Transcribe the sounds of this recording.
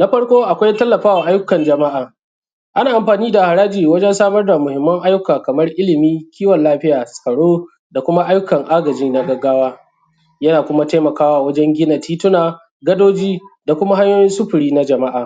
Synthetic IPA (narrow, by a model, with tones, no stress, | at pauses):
na˦ɸɐ˦ɽkʷoː˦ʔa˨kʷa˦jtɐ˦lːɐ˨ɸaː˦waː˨ʔa˦jʊ˦kɐ˨nd͡ʒɐ˨ma˦ʔaː˨ | ʔa˦naː˨ʔa˨mɸaː˨niː˦da˨ha˨ɽaː˦d͡ʒiː˨wɐ˦d͡ʒɛ˦nsaː˦mɐ˦rda˨mʊ˨hɪ˨mːɐ˦ŋʔa˦jʊ˦kaː˨kɐ˨mɐ˦rʔɪ˦lɪ˨miː˦kʲʰiː˦wɔ˨nlaː˦ɸɪ˦jaː˨sʼɐ˨ɽoː˦ | da˨kʷʊ˦ma˦ʔa˦jʊ˦kɐ˨ŋʔaː˦ɡɐ˨d͡ʒiː˦na˦ɡɐ˦ɡaː˦waː˦ | jɐ˦naː˨kʷʊ˦ma˦ta˦jmɐ˨kaː˦waː˦wɐ˦d͡ʒɛ˦ŋɡʲɪ˦na˨tʰiː˦tʊ˦naː˨ | ɡɐ˦doː˦d͡ʒiː˦da˨kʷʊ˦ma˦ha˦ɲjoː˦jɪ˦nsʊ˦ɸʊ˨ɽiː˦na˦d͡ʒɐ˨ma˦ʔaː˨